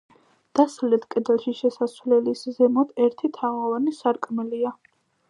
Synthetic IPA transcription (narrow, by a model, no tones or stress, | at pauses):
d̪̥aslɛt̪ʰkʼɛd̪ɛlˠʃiʃɛsasvlɛliszɛmɔd̪ʰɛɾt̪ʰit̪ʰaʁavanisaɾkʼmɛlia